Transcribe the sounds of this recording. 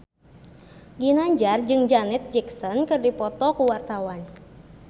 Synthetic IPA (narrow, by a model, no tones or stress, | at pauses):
ɡinaɲd͡ʒard͡ʒɨŋd͡ʒanɛt̪̚d͡ʒiksɔnkɨrdipɔt̪ɔkuwart̪awan